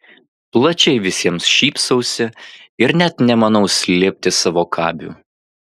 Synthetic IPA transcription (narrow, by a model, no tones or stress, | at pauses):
plˠɐt͡ʃʲɛɪʋʲɪsʲiɛmsʃʲiːpsɐʊsʲɪɪɾnʲɛt̪nʲɛmɐnɐʊsʲlʲeːpʲt̪ʲɪsɑːʋoːkʰɑːbʲṵː